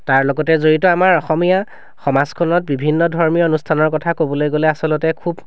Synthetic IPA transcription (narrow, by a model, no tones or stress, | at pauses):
taɹlɔɡɔtɛzoɹitɔamaɹɔxɔmija | xɔmazkʰɔnɔt̚bibʱinːɔdʱɔɹmionustʰanɔɹkɔtʰakobɔlojɡolɛasɔlɔtɛkʰub